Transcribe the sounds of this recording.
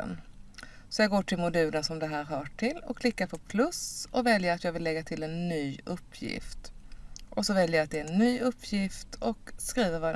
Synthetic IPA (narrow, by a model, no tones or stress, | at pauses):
n | sɔjɑːɡoːʈʰɪlmʊd̪ʉ̟ːləsɔmd̪ɛɦæːɾɦɑʈʰɪlːɔ̰kʰlɪkːaɾpʰɔɾpʰlɵsʔɔvɛljəɾat̪jɑːɡvɪlːɛɡːat̪ʰɪlːɛnːyːɵpʰːjɪ̰ft̪ʔɔsɔvɛljəjat̪̚d̪ɛːɛnːyːɵpʰːjɪft̪ʰɔkskɾiːvəɾvɑ